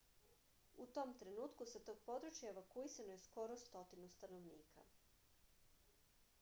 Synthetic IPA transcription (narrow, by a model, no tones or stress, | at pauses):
ut̪o̞mt̪ɾe̞nuːt̪kusat̪o̞ɡ̥̚po̞d̪ɾut͡ʃjaeʋakuisanoje̞sko̞ɾo̞st̪o̞t̪inust̪anoʋniːkʰa̰